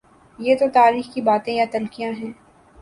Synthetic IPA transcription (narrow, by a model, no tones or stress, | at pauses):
jeːt̪ot̪aːɾiːxkibaːt̪ẽjat̪ɐlkijãɦɛ̃ː